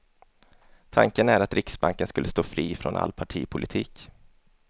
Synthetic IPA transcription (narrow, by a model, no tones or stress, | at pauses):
t̪ʰa̰ŋkənæɾat̪ɾʔɪksbaŋkənskɵlːəst̪oːfɾiːfɾɔnʔa̰lːpʰaʈʰiːpʰʊlʔɪt̪ʰiːk